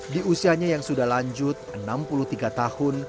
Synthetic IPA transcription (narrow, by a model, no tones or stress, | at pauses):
diusiaɲajaŋsudahlaɲd͡ʒʊt̪̚ənampulut̪iɡat̪ahʊn